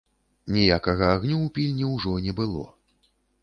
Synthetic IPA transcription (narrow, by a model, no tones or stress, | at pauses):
nʲijakɐɣɐaɣnʲuːpʲilʲnʲiwʐɔnʲɛbɨlˠɔ̰